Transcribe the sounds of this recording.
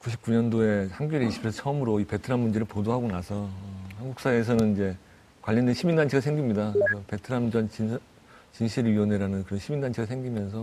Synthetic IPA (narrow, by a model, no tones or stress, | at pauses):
kuɕʰip̚k͈uɲʌndoe̞hanɡjiɾiiɕʰi̥pʰesʰʌt͡ɕʰʌʌmɯɾoipe̞tʰɯɾamund͡ʑeɾɯɭpodoɦaɡonasʰʌhanɡuk̚s͈aeːsʰʌnɯnid͡ʑe̞ | kwaʎːʌndwe̞nɕʰimindant͡ɕʰeɡasʰe̞ŋɡimɲidakesʰʌpe̞tʰɯɾamd͡ʑʌnt͡ɕi | t͡ɕinɕʰiɾiʌneɾanɯnkɯɾʌnɕʰimindant͡ɕʰeɡasʰeŋɡimjʌns̬ʰʌ